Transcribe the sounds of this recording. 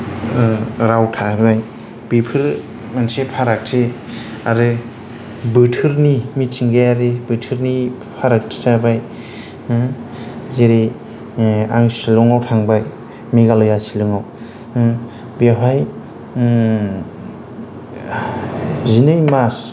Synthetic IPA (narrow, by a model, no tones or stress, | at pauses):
ɾawtʰabaj | b̥ipʰɯɾ | mansepʰaɾak̚tʰe | aɾɯ | bɯtʰɯɾnimitʰiŋɡajaɾebɯtʰɯɾni | pʰaɾak̚tʰi̥tʰabaj | zeɾi | a̰ŋsilɔŋawtʰaŋbaj | miɡalɔjasilɯŋaw | biaɦaj | zinɯjmas